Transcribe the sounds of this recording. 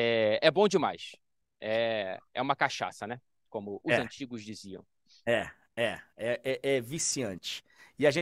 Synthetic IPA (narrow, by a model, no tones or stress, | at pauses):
ɛɛbõw̃d͡ʒɪma̰js | ɛɛ̰ũmɐkaʃa̰sɐnɛ | kõmʊʔʊɛzɐ̃t͡ʃiɡʊzd͡ʒiziɐ̰̃w̃ | ɛ | ɛɛʔɛʔɛvisiɐ̃t͡ʃɪ̥ | ɪaʒẽ